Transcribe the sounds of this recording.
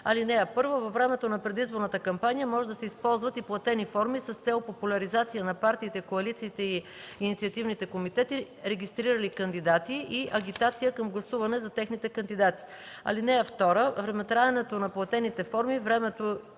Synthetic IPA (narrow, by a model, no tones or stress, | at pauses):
ɐ̰linɛɐpɤɾvovɐfvɾɛmɛt̪onɐpɾɛd̪izboɾnət̪əkɐmpanijəmɔʒɛd̪ɐsɛispɔlˠzvət̪iplˠɐt̪ɛnifɔɾmisɐst̪sɛlˠopopulʲɐɾizat̪sijənɐpaɾt̪iːt̪ɛikoɐlit̪siːt̪ɛi | init̪siət̪ivnit̪ɛkomit̪ɛt̪i | ɾɛɡʲist̪ɾiɾəlikɐnd̪id̪at̪iʔiʔɐɡ̟ʲit̪at̪sijəkəmɡlˠɐsuvɐnɛzɐt̪ɛxnit̪ɛkɐnd̪id̪at̪i̥ | ɐ̰linɛɐft̪ɔɾəvɾɛmɛt̪ɾaɛnɛt̪onɐplˠɐt̪ɛnit̪ɛfɔɾmivɾɛmɛt̪o